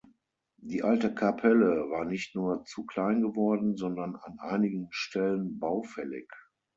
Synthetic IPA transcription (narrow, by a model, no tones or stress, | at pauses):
diːʔaltəkʰapʰɛləvaːɐnɪçtnuːɐt͡sukl̥aɪnɡəvɔɐdn̩zɔndɐna̰nʔa̰ɪnɪɡən̩ʃtʰɛlənbaʊfɛlɪ̰k